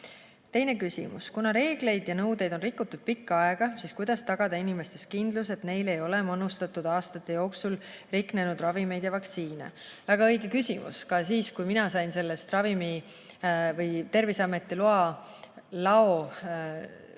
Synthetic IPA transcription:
t̪e̞jne̞kysʲḭmṵskunɑɾe̞ːɡ̥le̞jd̪̥jɑnɤwd̪e̞jd̪̥o̞nrikːˑut̪ːud̪̥̚pikːɑɑeɡ̥ɑsiːskujd̪̥ɑst̪ɑɡ̥ɑd̪ɑinime̞st̪e̞st̪̚kind̪̥luse̞t̪ne̞jle̞jo̞lemɤnust̪ɑt̪ːˑud̪̥ɑːst̪ɑt̪ːˑe̞jo̞ːksulriknenud̪̥rɑvime̞jd̪jɑvɑkt̪siːne̞̰væɡ̥ɑɤjɡekysʲimṵskɑsiːskujminɑsɑjnse̞lːest̪rɑvimi | vɤjt̪e̞rvisɑme̞t̪ːˑiluɑ | lɑo

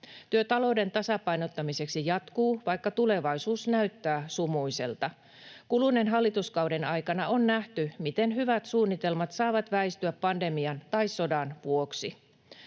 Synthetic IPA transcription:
t̪yøt̪ɑlo̞de̞nt̪ɑsɑpɑjnot̪ːɑmise̞ksijɑt̪kuːʋɑjkːɑt̪ule̞ʋɑjsuːsnæyt̪ːæːsumuise̞̰lt̪ɑ | kulunːenɦɑlːit̪uskɑwdenɑjkɑnɑonːæht̪ymit̪e̞nɦyʋæt̪suːnːit̪e̞lmɑt̪sɑːʋɑt̪ʋæist̪yæpːɑnde̞miɑnt̪ɑisso̞dɑnʋuoksi

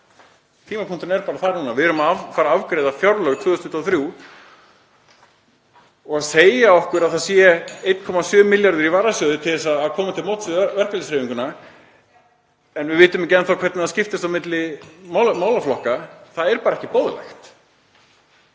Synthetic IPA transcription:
t̪ʰiːmapʰuŋ̥t̪ʏnɛɾpaːɾaθanuːnavɪðɛɾʏmaafaːɾaavkɾeːðafjawɾlœɣt̪ʰvʏːðʏst̪ʏt̪ːɔθɾju | ɔɣaðseːjaɔhkʏɾaðθaðsjɛejt̪kʰɔmasjœːmɪljaɾðɪɾivaːɾasjœðʏt̪ʰɪlθɛs̬ːaːðkʰɔːmat̪ʰɪlmowt̪svɛr̥kalɪsɾeːviŋkʏna | ɛnvɪvɪːt̪ʏmɪcɛnːθawkʰvɛɾt̪nɪascɪft̪ɪst̪awmɪt̪lɪmawmaːwlaflɔhkaθaðɛɾpaːɾaɛhcɪpɔːðlɛ̰xt̪

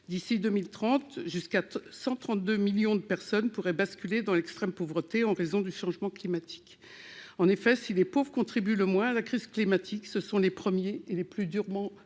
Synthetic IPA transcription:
d̪isid̪ømilt̪χɑ̃t̪ʒyskasɑ̃t̪χɑ̃t̪̚d̪ømiljɔ̃d̪əpɛʁsɔnpuʁɛbaskʲyled̪ɑ̃lɛkst̪χɛmpovʁət̪eɑ̃ʁezɔ̃d̪yʃɑ̃ʒmɑ̃klimat̪ʰi̥k | ɑ̃nefɛsilepovʁkɔ̃t̪χibyləmwɛ̃alakχiz̥klimat̪ʰiksəsɔ̃lepχəmjeːleplyd̪yʁmɑ̃

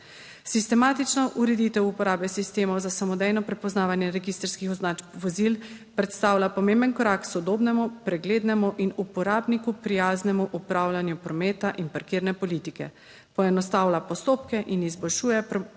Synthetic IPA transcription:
sist̪ɛmaːt̪it͡ʃnɔʔuɾɛd̪it̪ɛwupɔɾaːbɛsist̪eːmɔwzasamɔd̪ɛjnɔpɾɛpɔznaːʋanjɛɾɛɡist̪ɾskixaʋɔzilpɾɛt̪st̪aːwlʲapɔmembənkɔɾaksɔd̪oːbnɛmupɾɛɡleːd̪nɛmuʔinupɔɾaːbnikupɾijaːznɛmuʔupɾaːwlanjupɾɔmeːt̪aʔinpaɾkiːɾnɛpɔlit̪ikɛ̰ | pɔɛnɔst̪aːwlapɔst̪oːpkɛʔinizbɔlʃuːjɛp

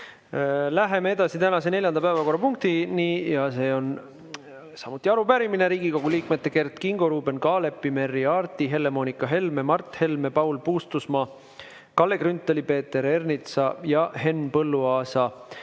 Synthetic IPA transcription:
læɦe̞mee̞d̪̥ɑsit̪ænɑse̞ne̞lʲjɑnd̪ɑpæevɑko̞rːɑpuŋk̚t̪inijɑse̞ːo̞n | sɑmut̪ːˑiɑɾupæɾimine̞ɾiːɡiko̞ɡ̥uliːkme̞t̪ːˑe̞ke̞rt̪kiŋɡo̞ɾuːbe̞nkɑːle̞pːˑime̞rːiɑːrt̪iɦe̞lːe̞mo̞ːnikːˑɑɦe̞lme̞mɑrt̪he̞lme̞pɑuwlpuːst̪usmɑː | kɑlːe̞krynt̪ːˑolipe̞ːt̪ːe̞ɾe̞rnit̪sɑjɑʔhe̞nːpɤlːuɑːsɑ

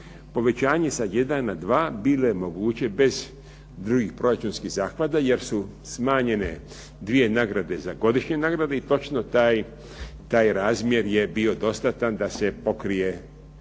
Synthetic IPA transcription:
po̞ʋe̞t͡ɕaːɲe̞saje̞d̪anːad̪ʋaːbiːlo̞jemo̞ɡuːt͡ɕe̞be̞z | d̪ɾuɡixpɾo̞ɾat͡ʃunskiɣzaːxʋad̪aje̞ɾsu | smaːɲe̞ne̞̰ | d̪ʋije̞naɡɾad̪e̞zaɡo̞d̪iʃɲe̞naːɡɾad̪eit̪o̞t͡ʃno̞t̪aj | t̪aːjɾaːzmje̞ɾje̞bio̞d̪o̞st̪at̪and̪ase̞po̞kɾije̞

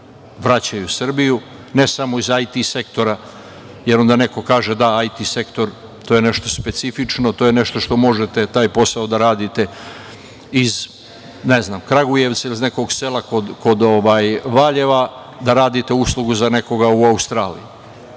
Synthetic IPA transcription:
ʋɾat͡ɕajusr̩biju | ne̞samo̞izajt̪ise̞kt̪o̞ɾa | jeɾo̞nd̪ane̞ko̞kaːʒe̞d̪aajt̪ise̞kt̪o̞ɾ | t̪oːjene̞ʃt̪o̞spe̞t̪sifit͡ʂno̞t̪o̞ːjene̞ʃt̪o̞ʃt̪o̞mo̞ʒet̪e̞t̪aːjpo̞saod̪aɾaːd̪it̪e̞ | iz | neznamkɾaɡuje̞ʋt̪sailizne̞ko̞ɡse̞lako̞d̪ko̞d̪o̞ʋaːjʋaːʎe̞ʋa | d̪aɾaːd̪it̪e̞uslˠuɡuzane̞ko̞ɡauaust̪ɾaːlḭju

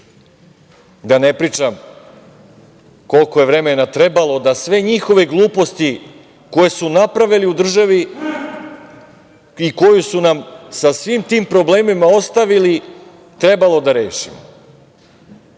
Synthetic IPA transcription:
d̪ane̞pɾiːt͡ʃam | ko̞lko̞je̞ʋɾe̞menat̪ɾe̞balˠo̞d̪asʋe̞ɲixo̞ʋe̞ɡlˠuːpo̞st̪i | ko̞je̞sunapɾaʋiliud̪r̩ʒaʋi | iko̞jusunamsasʋimt̪iːmpɾo̞ble̞ːmimao̞st̪aʋili | t̪ɾe̞balo̞d̪aɾe̞ːʃḭmo̰

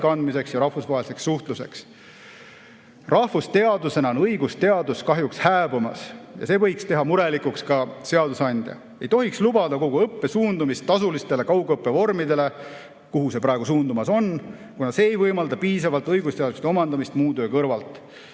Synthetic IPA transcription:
kɑnd̪mise̞ksjɑɾɑhfusvɑɦelise̞ksːuht̪luse̞̰ks | rɑhfust̪e̞ɑd̪use̞nɑonɤjɡ̥ust̪e̞ɑd̪uskɑɦjukshæːbumɑ̰sjɑ̰se̞ːvɤjkst̪e̞ɦɑmuɾe̞likukskɑse̞ɑd̪usɑnʲd̪̥jɑ̰ | e̞jt̪o̞ɦikslubɑd̪ɑko̞ɡ̥uɤpːe̞suːnd̪umist̪ːɑsulist̪e̞le̞kɑwɡɤpːˑe̞vo̞rmid̪e̞le̞ | kuɦuse̞pɾɑˑeɡ̥usuːnd̪umɑso̞n | kunɑse̞ːejvɤjmɑld̪ɑpiːs̬ɑvɑlt̪ˑɤjɡust̪e̞ɑd̪u̥st̪eo̞mɑnd̪ɑmist̪muːd̪øːkɤrvɑlt̪ˑ

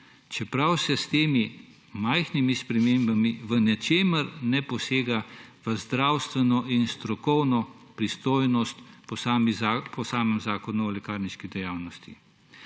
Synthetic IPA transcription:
t͡ʃɛpɾawsɛst̪eːmi | majxnimispɾɛmeːmbamiʋənɛt͡ʃeːməɾnɛpɔseːɡaʋəzd̪ɾawst̪ʋɛnɔʔinst̪ɾɔkɔwnɔ | pɾist̪oːjnɔst̪pɔsampʰɔsaːmɛmzaːkɔnuɔlɛkaːɾniʃkid̪ɛjaːwnɔst̪i

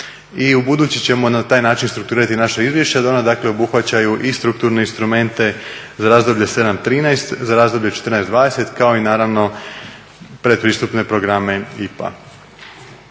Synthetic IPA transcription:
iubud̪uːt͡ɕit͡ɕe̞mo̞nat̪aːjnaːt͡ʃinst̪ɾuk̚t̪uɾiɾat̪inaʃaizʋje̞ʃt͡ɕead̪ao̞nad̪aːkle̞obuxʋat͡ɕajuʔist̪ɾuk̚t̪uɾne̞inst̪ɾume̞nt̪e̞ | zaɾaːzd̪o̞bʎese̞d̪amt̪ɾiːnajst̪zaɾaːzd̪o̞bʎet͡ʃet̪ər̩nɛjsd̪ʋaːd̪e̞se̞t̪kao̞inaːɾaʋno̞ | pɾe̞d̪pɾiːst̪upne̞pɾo̞ɡɾame̞ipa̰

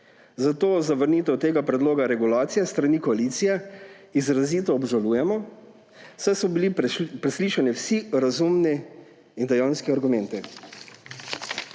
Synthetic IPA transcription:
zat̪oːzaʋəɾniːt̪ɛwt̪eːɡapɾɛd̪loːɡaɾɛɡulaːt̪sijɛst̪ɾanikɔaliːt̪sijɛ | izɾaziːt̪ɔːbʒaluːjɛmɔ | wsɛsɔbilipɾɛsliːʃanɛwsiɾazumnɛ | ind̪ɛjawnskɛaɾɡumɛ̃nt̪ɛ

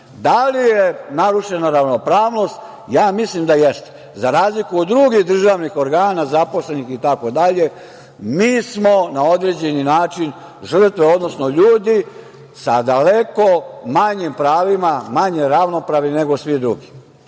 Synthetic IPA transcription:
d̪alijenaɾuʃe̞naɾaʋno̞pɾaːʋno̞st̪ | jaːmislimd̪ajɛst̪e | zaɾaːzlikuod̪ːɾuɡixd̪r̩ʒaʋnixo̞ɾɡaːnazapo̞sle̞nixit̪ako̞d̪aʎe | miːsmonao̞d̪ɾed͡ʑe̞ninaːt͡ʃin | ʒər̩t̪ʋeo̞d̪nosno̞ʎuːd̪i | sad̪ale̞ko̞maɲimpɾaːʋimamaɲe̞ɾaʋno̞pɾaʋnine̞ɡo̞sʋid̪ɾṵɡi

